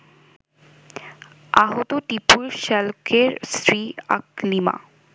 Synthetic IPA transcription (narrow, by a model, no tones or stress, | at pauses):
aɦot̪oʈipulʃɛlkʰeɾsɾia̰klima̰